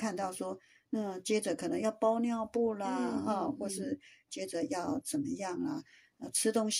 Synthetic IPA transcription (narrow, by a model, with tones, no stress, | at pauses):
kʰa˥˧nt̪ɑ˥˩ʊʂwɔ˥ | na˥˩t͡ɕjɛ˥ʈ͡ʂɤ˨˩˦kʰɤ˨˩nɤ˧˥ŋjɑ˥˩ʊpɑ˥ʊnjɑ˥˧ʊpu˥˩lə˨ɐ˥˧˩xwɔ˥˧ʂɻ̩˥˩t͡ɕjɛ˥ʈ͡ʂɤ˨˩jɑ˥˩ʊt͡sə˨˩nmə˦jɑ˥˩ŋlə˩ | ə˥˧˩ʈ͡ʂʰɻ̩˥t̪ʊ˥ŋɕ